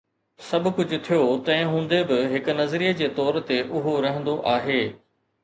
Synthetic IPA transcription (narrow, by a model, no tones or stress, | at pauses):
sɐbʱʊ̆kʊd͡ʑʊ̆t̪ʰijot̪ɐ̃ɪ̃ɦũːn̆d̪ebɪɦɪkʊ̆nɐzɾiːəd͡ʑeːt̪ɔːɾt̪eʔʊɦoɾɐɦə̃nd̪oʔaːɦeː